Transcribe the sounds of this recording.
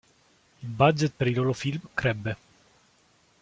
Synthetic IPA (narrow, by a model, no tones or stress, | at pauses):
bad͡ʒet̪̚peɾilolofilmkɾɛbːe